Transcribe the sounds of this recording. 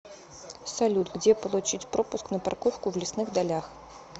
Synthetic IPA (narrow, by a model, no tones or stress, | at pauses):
sɐlʲut̪ɡd͡zʲepəlˠut͡ɕit͡sʲpɾopʊsknəpa̰rkofkʊvlʲɪsnɨxd̪alʲax